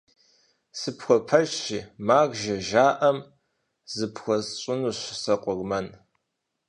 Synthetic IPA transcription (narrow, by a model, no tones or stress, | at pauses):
sɨpxʷɔpʰɐt͡ʃiːmaːɣʷʒɐʒaːʔɐm | zɨpʰxʷɔzɕʼɪnuːɕsɐqʷʊɣmɐn